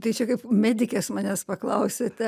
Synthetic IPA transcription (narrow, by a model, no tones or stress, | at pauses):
t̪ɐɪt͡ʃʲɛkɐɪpmʲæːd̪ʲɪkʲɛsmɑnʲɛspɐklˠɐʊsʲet̪ʲɛ